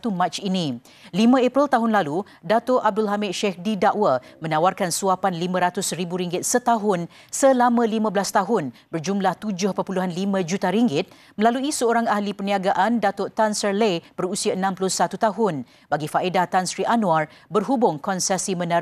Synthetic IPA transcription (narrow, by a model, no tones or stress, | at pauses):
t̪umãt͡ʃinĩ | limə̃ɛpɾilt̪aɦʊnlalu | dat̪ʊʔab̚dʊlɦamɪt̪̚ʃɛhdidaʔwamə̃nawarkansuapanlimãɾat̪ʊsribuɾiŋɡɪt̪̚sət̪aɦʊn | səlamə̃limãbəlast̪aɦʊnbərd͡ʒumlaht̪ud͡ʒʊhpəpuluɦanlimãd͡ʒut̪aɾiŋɡɪt̪̚ | mə̃laluisəoɾaŋahlipəniaɡaʔandat̪ʊʔt̪ansərlebərusiaənãmplʊsat̪ut̪aɦʊn | baɡifaʔedaht̪ansɾiʔanũarbərɦubʊŋkɔnsɛsimə̃na